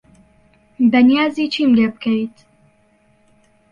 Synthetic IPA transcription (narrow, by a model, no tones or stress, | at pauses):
bɐnijaːzit͡ʃʰiːmleb̚kʰəjt̪